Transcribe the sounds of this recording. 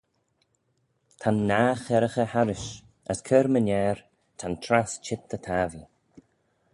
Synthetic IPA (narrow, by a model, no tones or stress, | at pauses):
t̪ʰanːaːxɛɾəxəhaɾɪʃ | əskʰəɾmənɛːɹ | t̪ʰant̪ʰɾast͡ʃʰɪt̪ːət̪ʰaːvi